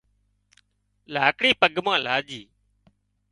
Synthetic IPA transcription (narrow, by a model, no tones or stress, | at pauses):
laːkɽiːpəɠmãːlaːʄiː